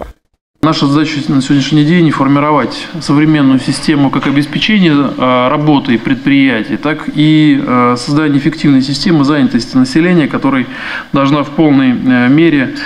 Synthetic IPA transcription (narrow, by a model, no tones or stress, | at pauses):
naʂəzɐd̪at͡ɕənəsʲɪvodʲnʲɪʃʲnʲɪdʲenʲɪfərmʲɪɾɐvatʲsəvɾʲɪmʲe̞nːʊjʊsʲɪsʲtʲe̞mʊkakɐbʲɪspʲɪt͡ɕenʲɪjərɐbo̞t̪ɨipɾʲɪt̪̚pɾʲɪjætʲɪjət̪akisɐzd̪ɐanʲɪfʲɪktʲivnəjsʲɪsʲtʲe̞mɨzanʲɪt̪əsʲtʲɪnəsʲɪlʲenʲɪjəkɐt̪o̞ɾɨj | d̪ɐlˠʐnafpo̞lˠnəjmʲeɾʲɪ